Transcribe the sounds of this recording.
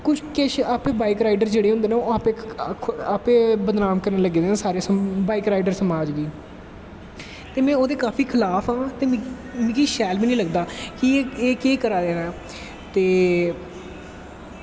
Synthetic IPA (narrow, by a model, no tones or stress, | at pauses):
kʊt͡ʃʰkeːʃaːpẽːbaːikɾaːiɖəɾd͡ʒeːɽeːɦʊ̃nd̪eːneːoaːpeː | aːpẽːbəd̪naːmkəɾneːləɡeːd̪eːnẽːsaːɾeːsbaːikɾaːiɖəɾsəmaːd͡ʒʋiː | t̪eːmɛ̃ːoːd̪eːkaːfʰiːkʰɪlaːpʰãːt̪eː | mĩkiːʃɛːlbiːnĩːləɡd̪aːkieeːkeːkəɾaːd̪eːnaː | t̪eː